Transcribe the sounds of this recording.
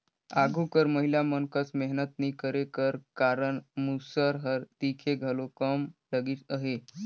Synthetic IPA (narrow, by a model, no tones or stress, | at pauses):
aɡʱukəɾməɦiljamənkəsmeɦnət̪niːkəɾekəɾkaɾəɳmusəɾɦəɾt̪ikʰeɡʱəlokəmləɡiːt̪əɦe